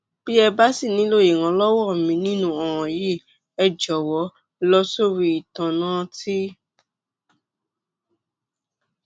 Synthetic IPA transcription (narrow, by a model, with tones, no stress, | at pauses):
b̥i˦ɛ˧ba˦si˦˨nĩ˨˦lo˦˨je˨ŋã˧lɔ˦wɔ˦˨mĩ˧˦nĩ˦nũ˧ɔ˨w̃ɔ̃˨je˦ | ɛ˧d͡ʒɔ˨wɔ˨˦ | lɔ˦so˦˨ɾi˧i˨tã˧nãː˦ti˦